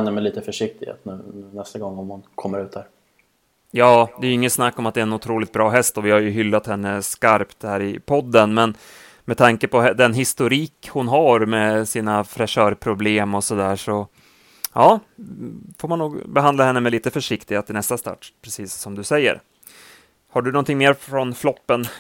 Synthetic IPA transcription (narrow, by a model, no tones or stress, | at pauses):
nːəmɛliːt̪əfœʂɪk̚t̪ɪɡhḛːt̪nʉ̟ːnɛst̪aɡɔŋːɔmhʊnkʰɔmːəɾʉ̟ːt̪̚dæːɾ | jɑːd̪ɛjɵɪŋːənsnakːɔmat̪̚d̪ɛːɛnʊt̪ʰɾuːlɪt̪̚bɾɑːɦɛst̪ɔvɪhaɾjɵɦʏlːat̪hɛnːəskaɾpt̪hæːɾɪpʰɔd̪ːənmɛn | mɛt̪ʰaŋkəpɔd̪ɛnɦɪst̪ʊɾiːkhʊnɦaɾmɛsiːnafɾɛʂœːɾpʰɾʊbleːmɔsɔd̪æːʂɔ | jɑː | foɾmanːuːɡbɛɦand̪lahɛnːəmɛliːt̪əfœʂɪkt̪ɪɡat̪ʰɪnɛst̪ast̪ɑ̰ːʈːpʰɾɛsiːsːɔmd̪ɵsɛjːə̰ɾ | haɖɵnɔnt̪ʰɪŋːmeːɾfɾɔnflɔpːən